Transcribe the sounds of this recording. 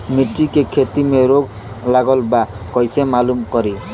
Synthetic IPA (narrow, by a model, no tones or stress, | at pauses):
miʈːikekʰet̪imeɾoɡ | laɡɔlba | kɔjsemalumkɔɾi